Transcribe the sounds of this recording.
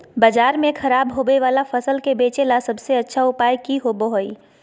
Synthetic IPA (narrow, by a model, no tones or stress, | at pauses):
bəd͡ʒaːɾmẽkʰɐɾaːbɦobeʋaːlafʰɐsəlkebeːt͡ʃelasɐbseɐtːʃʰaʊpaːjkiɦobəɦoi